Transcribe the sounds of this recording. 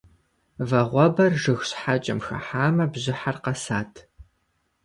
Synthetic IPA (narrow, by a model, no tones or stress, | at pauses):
vɐʁʷɔbɐrʒɨxɕħat͡ʃʼɐ̰mxɐ̰ħaːmɐbʑɪħarqɐsaːtʰ